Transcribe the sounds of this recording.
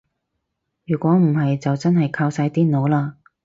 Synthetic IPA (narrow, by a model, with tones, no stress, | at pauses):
jyː˨˩kʷɔː˨˥m̩˨˩hɐ˨jt͡sɐ˨wt͡sɐ˥nhɐ˨jkʰaː˧wsaː˧jt̪iː˥no˨˧wlaː˧